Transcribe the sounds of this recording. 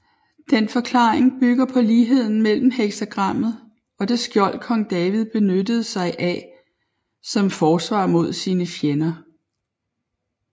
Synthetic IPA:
d̥enfɒ̽kʰlɑ̈ːeŋb̥yɡ̥ɐpʰɒ̽liːɦe̝ð̞̰ˠn̩mel̰m̩heɡ̥sæɡ̥ʁɑ̈m̰ð̞̩ˠ | ɒ̽d̥e̝sɡ̥jɒ̽l̰̚kʰɒ̽ŋd̥ɛːʋið̞ˠb̥e̝nød̥əð̩ˠsɑ̈ɪʔæ | sɒ̽mfɒːsʋɑ̰̈ːmo̝ð̞̰ˠsiːnəfjenɐ

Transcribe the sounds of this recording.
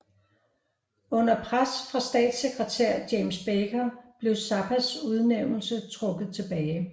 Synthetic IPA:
ɔ̽n̰ɐpʰʁasfʁɑ̈sd̥ɛ̰ːd̥seɡ̥ʁət͡sʰæɐ̰d̥jemsb̥eːɡ̥ɐb̥le̝ʊsɑ̈bʰæsuð̞ˠneʊ̰nl̩sət͡sʰʁɔ̽ɡ̥ð̩ˠt͡sʰe̝b̥ɛːɪ

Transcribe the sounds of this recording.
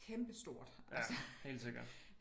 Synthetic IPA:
kʰemb̥əsd̥o̝ɐ̰d̥ʔææshe̝̰ːldse̝ɡ̥ɐd̥

